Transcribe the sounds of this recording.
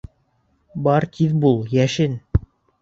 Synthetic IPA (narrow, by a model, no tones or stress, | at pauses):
bɑɾt̪ʰiðbulˠjæʃɘn